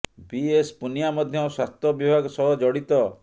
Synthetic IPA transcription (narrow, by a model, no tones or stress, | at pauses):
biespunijamɔd̪ʱjɔswast̪ʰɔbibʱaɡɔsɔɦɔd͡ʒɔɽit̪ɔ